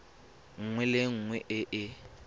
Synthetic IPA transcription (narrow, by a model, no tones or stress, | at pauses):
ŋ̩ŋwɛlɪŋ̩ːŋwɛʔɪʔɪ